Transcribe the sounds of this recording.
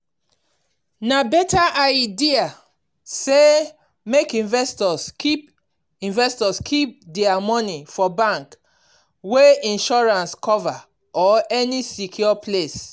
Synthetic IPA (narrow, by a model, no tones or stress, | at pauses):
nabɛtaʔajdia | se | mekĩnvɛstɔskip | ĩnvɛstɔskʰip̚dɛamɔ̃nifɔbãŋk | weĩnʃɔɹãnskʰɔva | ɔɛnisikʰjɔples